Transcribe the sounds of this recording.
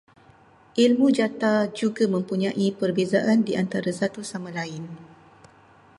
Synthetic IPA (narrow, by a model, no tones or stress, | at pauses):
ʔilmũd͡ʒat̪ad͡ʒuɡamə̃mpuɲãʔipərbezaʔandiʔant̪aɾasat̪usamãlaɪn